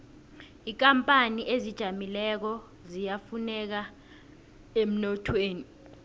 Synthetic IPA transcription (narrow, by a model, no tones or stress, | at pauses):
iːk̬ʼampʼaniʔezid̥ʒ̥ʱamilɛk̬ɔ | zijafunɛk̬a | em̩nɔtʰweːni